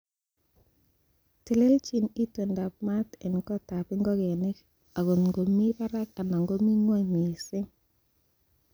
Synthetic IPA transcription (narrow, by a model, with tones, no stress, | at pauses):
ti˨le˦lt͡ʃi˨ni˦two˨nda˨p̚ma˦te˨nkɔ˦ta˨pɪ˦ŋɡɔ˦ɡe˨nɪ˦k | a˨ɡo˨nŋɡo˨mi˦pa˦ɾa˦ka˨na˨ŋɡo˦mi˦ŋo˦jmi˨sɪ˦ŋ